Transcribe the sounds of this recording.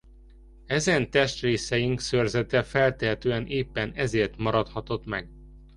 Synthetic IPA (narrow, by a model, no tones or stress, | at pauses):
ɛzɛnt̪ɛʃt̪reːsɛjiŋksørzɛt̪ɛfɛlt̪ɛɦɛt̪øːɛnʔeːpːɛnɛzeːrt̪mɒɾɒt̪hɒt̪o̞t̪mɛɡ